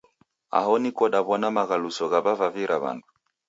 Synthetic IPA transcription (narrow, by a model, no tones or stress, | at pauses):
a̰ɦɔnikɔɗaβɔnamaɣalusɔɣaβavaviɾʔaβa̰ndu